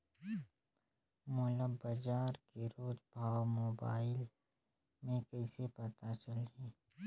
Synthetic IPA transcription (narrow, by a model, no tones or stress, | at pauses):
mʊləbəd͡ʒaːɾkeɾoːd͡ʒbʱaːwmoːbaːɪl | mẽkɐɪsepɐt̪at͡ʃɐlɦɛː